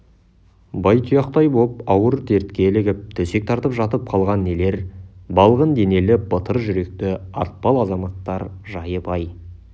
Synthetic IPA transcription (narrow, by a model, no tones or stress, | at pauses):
bɑjt̪ʰijɑqt̪ɑjbop̚ɑwəɾt̪ʰe̞ɾt̪kʲe̞lɪɡʲɪp̚t̪ʰɵse̞k̚t̪ʰɑɾt̪əpʒɑt̪əp̚qʰɑlˠʁɑnːe̞le̞ɾbɑlˠʁənd̪e̞ne̞lɪb̥ət̪ʰəɾʒʏɾe̞k̚t̪ɪɑ̰ɾt̪̚pɑlˠɑzɑmɑt̪ːɑɾʒɑjəbɑj